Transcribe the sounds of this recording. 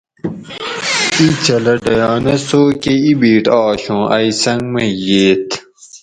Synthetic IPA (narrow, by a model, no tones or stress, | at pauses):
it͡ɕɐlɐɖɐjɑːnɐsoːkeibiːʈɑːɕõːʔɐisɐŋɡmɐjeːt̪ʰ